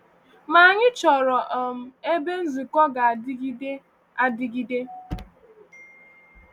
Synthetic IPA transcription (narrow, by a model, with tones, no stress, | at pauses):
ma˨ɲɪ˦t͡ʃɔ˨ɾɔ˨ʔɔ˨m̩˨e˦be˦n̩˦zi˨kɔ˦ɡa˨dɡde˦ | a˦dɪ˦ɡi˦de˦